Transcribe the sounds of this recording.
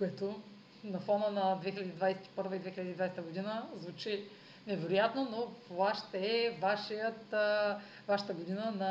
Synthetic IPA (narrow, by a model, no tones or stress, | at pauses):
koɛt̪o | nɐfɔnənɐd̪vɛxilʲɐd̪iːd̪vajsɛ̥t̪i̥pɤɾvɐid̪vɛxilʲɐd̪iːd̪vajsɛt̪əɡod̪inəzvut͡ʃi | nɛvɛɾʊjat̪nonot̪ovaʃt̪ɛɛvaʃijət̪ | vaʃə̥t̪əɡod̪inənɐ